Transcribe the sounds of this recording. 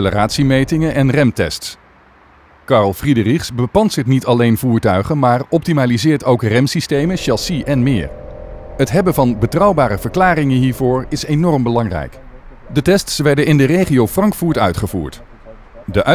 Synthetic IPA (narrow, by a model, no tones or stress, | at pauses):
ləraːtsimejtɪŋənʔɛnrɛmtɛ̰sts | kɑɹlˠfridəriχsbəpɑnsətnitɑlejnvuːɹtœɥχənmaːɹɔp̚timaːlizɪːɹtowkrɛmsistejməʃɑsiʔɛnmɪ̰ːɹɦətɦɛbənvɑnbətrɑwbaːɾəvəɹklaːrɪŋənɦiːɹvʊːɹɪsejnɔrmbəlɑŋrɛ̰jk | dətɛstsʋɛɹdənɪndərejχiowfrɑŋkfuːɹtœ̰ɥtχəvṵːɹt | dəʔœ